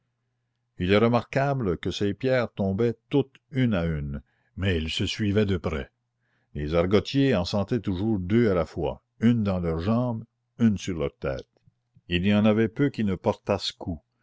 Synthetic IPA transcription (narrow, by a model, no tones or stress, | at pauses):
ilɛɾəmaʁkabləkəsepjɛːʁt̪ɔ̃ːbɛt̪ut̪ | ynayn | mɛilsəsɥivɛd̪əpɾɛ̰ | lezaʁɡɔt̪ʰjeɑ̃sɑ̃t̪ɛt̪uʒuːʁd̪øalafwa̰ | ynd̪ɑ̃lœːʁʒɑ̃ːb | ynsyʁlœːʁt̪ɛ̰ːt̪̚ | ilijɑ̃navɛpøkinəpɔʁt̪askʰu